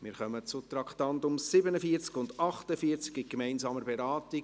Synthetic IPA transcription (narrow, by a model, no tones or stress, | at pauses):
mɪːɾχœmət͡sʊt̪ɾɑktɑntʊmsɪbənəfiəɾt͡skʊndɑχtəfiəɾt͡skɪkmɛɪnsɑːməɾbɛɾɑːti